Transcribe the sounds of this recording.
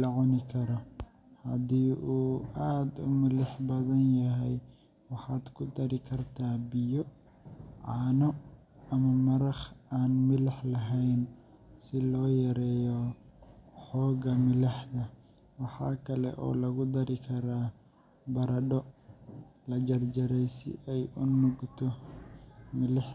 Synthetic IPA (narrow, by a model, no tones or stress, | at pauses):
ɑʕɔnɪkʰɐɾɔ | hɐd̪iːʔuːaːd̪ʊmɪlɪħbɐðɐnjɐɦɛj | wɑħɑːd̪kʰʊd̪ɐɾɪkʰɐrt̪ʰaːbɪjɔ | ʕɑːnɔ | ɐmɐmɐɾɑχaːnmɪlɪħlɐɦɛjn | sɪlɔːjɐɾɛːjɔ | ħɔːɣɐmɪlɐħd̪ɐ | wɑħɑːkʰɐlɛ̰ʔɔ̰ːlɐɣʊd̪ɐɾɪkʰɐɾaː | bɐɾɐɖɔ | lɐd͡ʒɐrd͡ʒɐɾɛjsɪ̰ʔɛjʊnʊɡt̪ʰɔ | mɪlɪħ